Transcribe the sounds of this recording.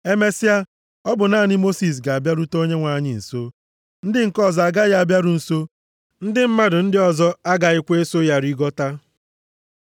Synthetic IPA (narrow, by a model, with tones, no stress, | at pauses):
e˦me˦si˦a˦ | ɔ˦bʊ˨naː˦˨nɪ˦mo˦si˨s̬ɡa˨a˨bja˦ɾu˦to˦ɲe˦ŋʷa˨˦ɲɪ˨n̩˨so˦ | n̩˦dɪ˦ŋ̩˨kɔ˦˨zɔ˨a˨ɡa˦ja˦a˨bja˦ɾu˨n̩˨so˦ | n̩˦dɪ˦m̩˦ma˦dʊ˨n̩˦dɪ˦ɔ˨zɔ˦a˦ɡa˨ɪ˦kʷe˦so˦ja˦ɾi˦ɡɔ˦ta˦